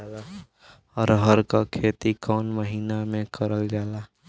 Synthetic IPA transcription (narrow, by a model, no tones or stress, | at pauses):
aːla | ɔːɾɦəɾkakʰeːt̪ikɔːnməɦiːnamẽkəɾəld͡ʒaːlaː